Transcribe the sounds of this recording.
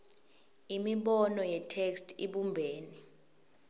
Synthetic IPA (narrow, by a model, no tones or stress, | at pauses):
imiɓɔnɔjɛtʰekstʰiɓumbʱeːni